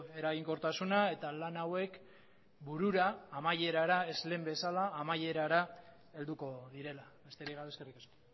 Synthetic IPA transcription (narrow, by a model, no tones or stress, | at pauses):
e̞ɾaɣiŋko̞ɾt̪asunae̞t̪alanawe̞k | buɾuɾaːmaje̞ɾaɾae̞zle̞ːmbe̞salaːmaje̞ɾaɾa | e̞ld̪uko̞ðiɾe̞laβe̞st̪eɾiɣaeskerikasko̥